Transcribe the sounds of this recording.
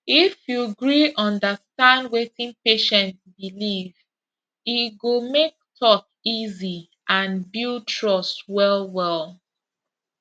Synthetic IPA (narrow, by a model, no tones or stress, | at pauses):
ifjuɡɹiɔ̃ndəstãndwetĩŋpeʃɛ̃ntbiliv | iɡomek̚tʰɔk | izi | ʔãnbiltʰɹɔstwɛlˠwɛlˠ